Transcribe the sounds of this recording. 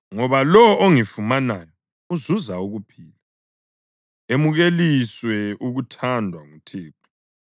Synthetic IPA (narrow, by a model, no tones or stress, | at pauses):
ŋɔβalɔoŋifumanaːjɔ | uzuzauɣupʰiːla | emuɣeliswɛuɣutʰandʱwaŋutʰeːt̚ʰu̥